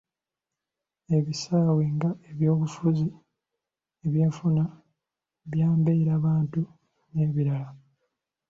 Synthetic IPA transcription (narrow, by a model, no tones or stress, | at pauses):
e̞βisaːweŋɡaeβjo̞ːβufuzi | eβjeːfuna | βjaːmbeɾaːβaːntu | ne̞βiɾala